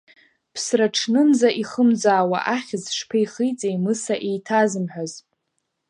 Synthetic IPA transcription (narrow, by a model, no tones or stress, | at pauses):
pʰsraʈ͡ʂʰnɨnd͡zaʔiχəmd͡zaːwa̰ʔaχʲɪzʂpʰejχijt͡sʼejmɨsaʔejtʰazɨmħʷᶣaz